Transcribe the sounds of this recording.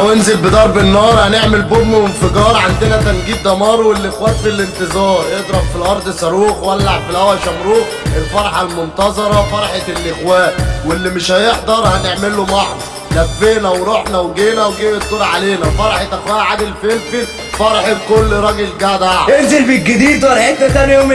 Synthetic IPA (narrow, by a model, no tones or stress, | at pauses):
wenzelbed̪ɑːɾˤbenːɑːɾˤhæneʕmelbobmowenfeɡɑːɾˤʕand̪enæt̪ænɡiːd̪̚d̪ɑmɑːɾˤwelʔexwæːt̪filent̪ezɑːɾˤjed̪ˤɾˤɑbfilʔɑɾˤd̪ˤsˤɑɾˤuːxwælːaʕb̪filæwæʃæmɾuːx | ʔelfɑɾˤħɑlmont̪ɑzˤɑɾˤɑfɑɾˤħet̪elʔexwæːʔwelːimɪʃhæjeħd̪ˤɑɾˤhæneʕmelomɑħɾˤ | d̪æfːeːnæwɾˤoħnæwɡeːnæwɡeːbet̪̚ɡoɾʕaleːnæfɑɾˤħet̪ʔexwæːʔʕad̪elfelfi | fɑɾˤħekolːɾˤɑɡelɡæd̪aʕʔenzelbiɡɪd̪iːd̪wæɾˤħet̪næt̪ænom